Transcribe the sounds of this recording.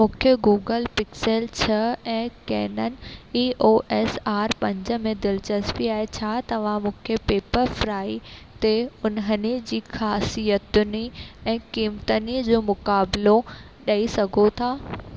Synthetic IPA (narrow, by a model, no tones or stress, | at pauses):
mũːkʰeɡuːɡəlpɪkselt͡ɕʰɐɛ̃ːkɛ̰ːnənɪ̆iːʔoːʔɛːsaːɾpɐ̃ɲd͡ʑə̆mẽd̪ɪlt͡ɕɐspiaːɦet͡ɕʰaːt̪ɐʋ̤ãmũːkʰepeːpəɾfɾaːit̪eʊnɦənɪd͡ʑiːxaːsijət̪ʊniɛ̃ːkiːmt̪ənid͡ʑoːmʊkaːblo | ɗɐisɐɡʱot̪ʰaː